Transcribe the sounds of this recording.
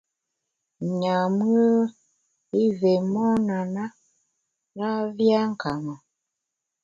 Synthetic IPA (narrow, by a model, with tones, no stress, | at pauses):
ɲa˨m˦ə˦ | i˦ve˨mɔ˦na˨na˦ | na˦vja˦ŋ˨ka˨mɔ˨